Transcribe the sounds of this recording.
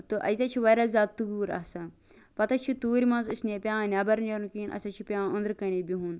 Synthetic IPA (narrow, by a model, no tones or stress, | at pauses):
t̪ɨʔɐ̰jt̪ʲɐt͡ʃʰiʋɐɾaːzʲaːt̪ːubuːɾɐ̰sɐ | pɐt̪ɐt͡ʃʰit̪uːɾʲmɐ̃nzusnʲeːpʲjãːnʲaːbɐɾnjɐɾnkiːnʔɐ̰sʲɐt͡ʃʰipʲjãːʊ̃nd̪ɾkɐneːbʲiɦũːn